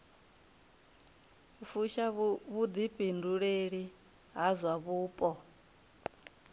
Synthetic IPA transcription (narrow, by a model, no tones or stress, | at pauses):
ufuʃaβud̪ipʼinduɺeɺi | ɦazʷwaβuːpʼɔ